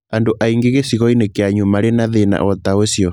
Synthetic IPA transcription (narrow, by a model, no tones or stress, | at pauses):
andoʔaiŋɡeɣesiɣɔinekeaɲumaɾenaðena̰ɔt̪aosjɔ